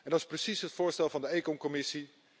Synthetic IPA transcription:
ɛndɑtɪsprəsisɦətfʊːɹstɛlˠvɑndəejkɔnkɔmɪsi

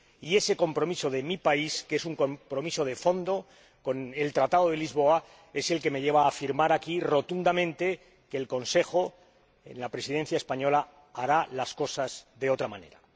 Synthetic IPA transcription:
ie̞se̞ko̞mpɾo̞miso̞ðe̞mipaiskesuŋkompɾo̞miso̞ðe̞fo̞nd̪o̞ | ko̞ne̞lt̪ɾat̪aðo̞ðe̞lizβo̞a | e̞se̞lke̞me̞ʝe̞β̞aːfiɾmaɾakiro̞t̪und̪amẽ̞nt̪e̞ | ke̞ːlko̞nse̞xo̞ | e̞̰nlapɾe̞siðe̞n̟θjaespaɲo̞la | aɾalasko̞sazðe̞o̞t̪ɾamãne̞̰ɾa

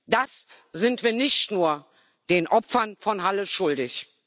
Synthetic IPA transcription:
d̥as | z̥ɪntv̥iːɐnɪçtnuːɐ | d̥eːnʔɔpfɐnfɔnɦaləʃʊldɪç

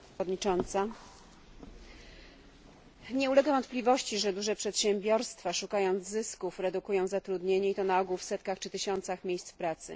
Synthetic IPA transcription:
d̪ɲit͡ʂɔnt̪sa | ɲɛulɛɡavɔnt̪plʲivɔɕt͡ɕiʐɛd̪uʐɛpʂɛt̪ɕɛmbʲjɔɾst̪faʂukajɔnd̪zzɘskufɾɛd̪ukujɔ̃w̃zat̪ɾud̪ɲeɲɛit̪ɔnaɔɡuwfsɛt̪kaxt͡ʂɘt̪ɘɕɔnt̪saxmʲjejst̪spɾat̪sɘ̰

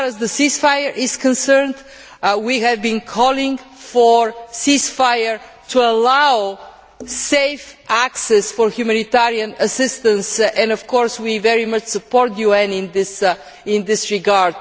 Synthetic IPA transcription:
ɾəzðəsisfajəɹʔɪz̥kə̃nsɜɹnd̪ | wihɛvbĩnkʰɔlɪ̃ŋɡfɔɹsisfajəɹ | t̪ʰuəlaʊ | seɪfʔæksɛsfɔɹhjumænit̪ɛɹiə̃nəsɪst̪ə̃nsɛ̃nɔfkɔɹswivɛɹimʌt͡ʃsəpɔɾt̪̚djuɛ̃nɪ̃nd̪ɪs | ɪ̃nd̪ɪsɹɪɡaɹd̪̥

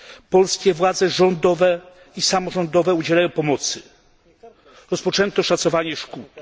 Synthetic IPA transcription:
pɔlskʲɛvwad̪zɛʐɔnd̪ɔvɛ | isamɔʐɔnd̪ɔvɛud͡ʑɛlajɔ̃w̃pɔmɔt̪sɘ | ɾɔspɔt͡ʂɛnt̪ɔʂat̪sɔvaɲɛʂkut̪

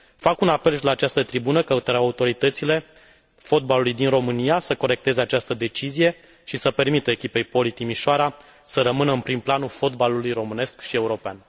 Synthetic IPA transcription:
fakunape̞lʃilaːt͡ʃast̪ət̪ɾibunəkəut̪əɾawaut̪o̞ɾit̪ət̪sile̞ | fo̞t̪̚balulujd̪inro̞mɨnijasəko̞ɾe̞k̚t̪e̞ze̞at͡ʃast̪əd̪e̞t͡ʃizije̞ | ʃisəpe̞rmit̪əekʲipe̞jpo̞lit̪imiʃoaɾa | səɾəmɨnəɨnpɾimplanulfo̞t̪balulujro̞mɨne̞skʃie̞uɾo̞pea̰n

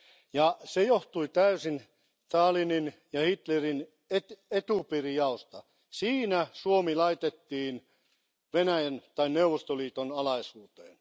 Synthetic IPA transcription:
jɑsejoht̪uit̪æysin | t̪ɑːlininjɑhit̪lerin | et̪et̪upirijɑost̪ɑ | siːnæsuomilɑit̪et̪ːiːn | ʋenæjænt̪ɑinneuʋːˑost̪oliːt̪onɑlɑisuːt̪eːn

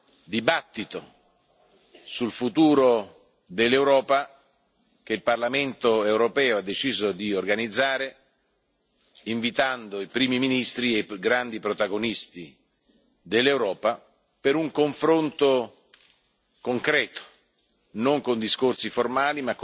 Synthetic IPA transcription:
d̪ibat̪ːit̪o | sulfut̪uːɾo | d̪elːewɾɔːpa | k̟eilparlament̪oewɾopɛːoad̪ːet͡ʃiːzod̪iorɡanid̪zːaːɾe | iɱvit̪and̪oipɾiːmiminist̪ɾieɡɾand̪ipɾot̪aɡonist̪i | d̪elːewɾɔːpa | peɾuŋkoɱfɾont̪o | koŋkɾɛːt̪o̥ | noŋkond̪iskorsiformaːlimak

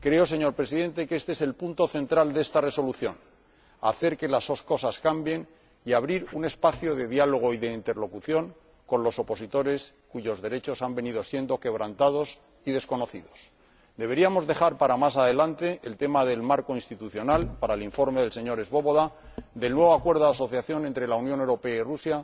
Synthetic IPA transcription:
kɾe̞o̞s̬e̞ɲo̞ɾpɾe̞siðẽ̞nt̪e̞keest̪e̞ese̞lpunt̪o̞θe̞nt̪ɾald̪e̞st̪are̞so̞luθjo̞n | a̰θe̞ɾke̞lazðo̞sko̞saskambje̞n | iaβ̞ɾiɾune̞spaθjo̞ðe̞ðjalo̞ɣ̞o̞iðe̞int̪e̞ɾlo̞kuθjo̞ŋ | ko̞nlo̞so̞po̞sit̪o̞ɾe̞s | kuʝo̞zðe̞ɾe̞t͡ʃo̞sambe̞niðo̞sje̞nd̪o̞ke̞β̞ɾant̪aðo̞s | iðe̞sko̞no̞θiðo̞s | d̪e̞β̞e̞ɾiamo̞zðe̞xaɾpaɾamas̬aðe̞lant̪e̞ʔelt̪e̞maðe̞lmaɾko̞inst̪it̪uθjo̞nalpaɾaeliɱfo̞ɾmeðe̞lse̞ɲo̞ɾe̞zβo̞βo̞ðad̪e̞lnwe̞βo̞akwe̞ɾðoðaso̞θjaθjo̞ne̞nt̪ɾe̞launjone̞wɾo̞pe̞airusja

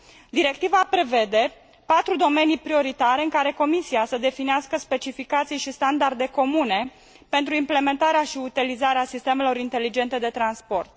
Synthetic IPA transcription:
d̪iɾe̞k̚t̪ivapɾe̞ve̞d̪e̞ | pat̪ɾud̪o̞me̞nijpɾio̞ɾit̪aɾeɨŋkaɾe̞ko̞misiasəd̪e̞finiaskəspe̞t͡ʃifikat̪sijʃist̪and̪ard̪e̞ko̞mune̞ | pe̞nt̪ɾuimple̞me̞nt̪aɾeaʃiut̪ilizaɾeasist̪e̞me̞lo̞ɾint̪e̞lid͡ʒe̞nt̪e̞d̪e̞t̪ɾanspo̞rt̪̚

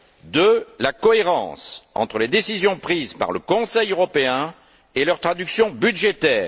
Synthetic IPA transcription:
d̪əlakɔeʁɑ̰̃sɑ̰̃t̪χəled̪esizjɔ̃pχizpa̰ʁləkɔ̃sɛjøʁɔpeɛ̃ | elœʁt̪χad̪yksjɔ̃byd̪ʒet̪ɛːʁ

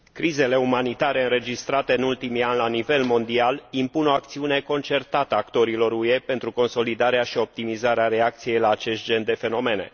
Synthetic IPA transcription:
kɾize̞le̞umanit̪aɾe̞ɨnɾe̞d͡ʒist̪ɾat̪e̞ɨnult̪imianlanive̞lmo̞nd̪ialimpuno̞ak̚t̪siune̞ko̞nt͡ʃe̞rt̪at̪əakt̪o̞ɾilo̞ɾue̞pe̞nt̪ɾuko̞nso̞lid̪aɾeaʃio̞p̚t̪imizaɾeaɾe̞ak̚t̪sije̞jlaːt͡ʃe̞st̪̚d͡ʒe̞nd̪e̞fe̞no̞me̞ne̞̰

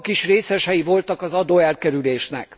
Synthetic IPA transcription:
kiʃreːsɛʃɛjivo̞lt̪ɒkɒzɒd̪oːɛlkɛɾyleːʃnɛ̰k

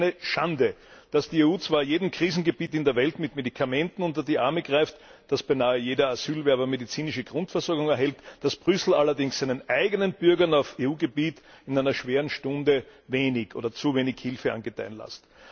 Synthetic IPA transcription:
nəʃandəd̥asd̥ieːuːt͡sv̥aːɐjeːdm̩kʁ̥iːzn̩ɡəbiːtɪndeɐvɛltmɪtmedikʰamɛ̃ntn̩ʊnt̬ɐdiːʔaɐməɡ̥ʁaɪftd̥asb̥æɪnaːəjeːdɐaz̥yːlvɛɐbɐmedit͡siːnɪʃəɡʁʊntfɛɐsɔɐɡʊŋɛɐɦɛltd̥asb̥ʁʏsl̩alɐdɪŋssæɪnənʔæɪɡənənb̥ʏɐɡɐnaʊfeːuːɡəbiːt | ɪnæɪnɐʃv̥eːʁənʃtʊ̃ndəveːnɪçʔo̰ːdɐt͡suveːnɪçhɪlfəʔa̰nɡətʰæ̰ɪnla̰st

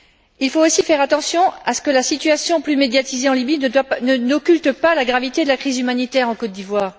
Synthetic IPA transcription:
ilfoosifɛʁat̪ɑ̃sjɔ̃asə̥kəlasit̪yasjɔ̃plymed̪jat̪izeɑ̃libinənɔkʲylt̪əpalaɡʁavit̪ed̪əlakχizymanit̪ɛʁɑ̃kɔt̪̚d̪ivwaːʁ

